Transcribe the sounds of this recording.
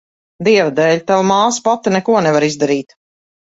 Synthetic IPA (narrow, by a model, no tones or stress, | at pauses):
d̪iɛvad̪ɛːʎʲt̪avamaːspat̪inɛkuɔnɛvaɾizd̪aɾiːt̪